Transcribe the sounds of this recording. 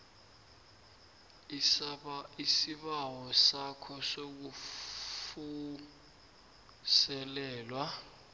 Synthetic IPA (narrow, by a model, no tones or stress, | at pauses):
isisiɓawɔsakʰɔsok̬u | fu | sɛlɛːlwa